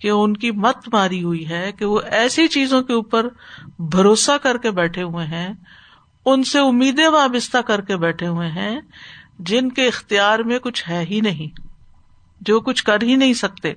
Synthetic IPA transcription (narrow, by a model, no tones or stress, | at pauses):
keʊnkimɐt̪maːɾiɦʊiɦɛkeʋoʔɛːsit͡ʃiːzõkeuːpəɾbʱɐɾoːsakɐɾkebɛːʈʰeɦʊẽɦɛ̃ | ʊnseʊmːiːd̪ẽʋaːbɪst̪ʰakɐɾkebɛːʈʰeɦʊẽɦɛ̃ | d͡ʒɪnkeɪxt̪ijaːɾmẽkʊt͡ʃʰɦɛːɦinɐɦĩ | d͡ʒoːkʊt͡ʃʰkɐɾɦinɐɦĩsɐk̚t̪ḛː